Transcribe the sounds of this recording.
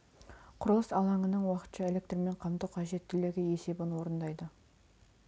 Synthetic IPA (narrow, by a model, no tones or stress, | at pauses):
qʰʊɾəlˠəsɑlˠɑɴənəɴwɑqə̥t̪ʃɑe̞le̞k̚t̪rme̞ɴqʰɑmt̪əqʰɑʒe̞t̪ʰːʏle̞ɡʲɪe̞se̞bɪnwo̞ɾənd̪ɑjd̪ə